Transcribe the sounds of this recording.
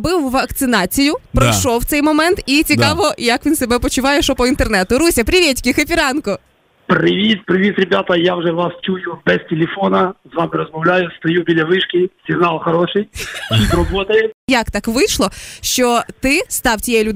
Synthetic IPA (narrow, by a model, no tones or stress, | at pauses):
bɪwʋɐkt̪sɪnɑt͡sʲijʊpɾɔʃɔwt̪sɛjmɔmɛnt̪it͡sʲikɑʋɔjɐkʋʲinsebɛpɔt͡ʃʊʋɑjɛʃɔpɔint̪ernɛt̪ʊɾusʲɐpɾʲɪʋʲɛtʲkʲɪxɐpʲiɾɑnkɔ | pɾɪʋʲit̪̚pɾɪʋʲit̪ɾʲebʲat̪ɐjawʒɛʋast͡ʃujʊbɛstʲelʲefɔnɐzʋɑmɪɾɔzmɔwlʲajʊst̪ɐjubʲilʲɐʋɪʃkʲɪsʲinɑlˠxɐɾɔʃɪjt͡ʃʲit̪rɔbɔt̪ɐjɛjɐkt̪ɑkʋɪʃlˠɔʃt͡ʃɔt̪ɪst̪ɑwtʲijɛɛlʲud̪